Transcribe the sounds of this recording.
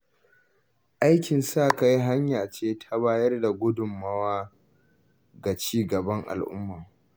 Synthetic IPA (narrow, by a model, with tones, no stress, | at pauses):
ʔa˦jkʲɪ˨nsaː˦˨ka˦ji˦ɦa˦ɲjaː˨t͡ʃeː˦tʰa˦βaː˦jɐ˦rda˨ɡʷʊ˦dʊ˨mːɐ˦waː˦ | ɡa˨t͡ʃiː˦ɡɐ˨bɐ˦ŋʔa̰˨lʔʊ̰˦mːaː˨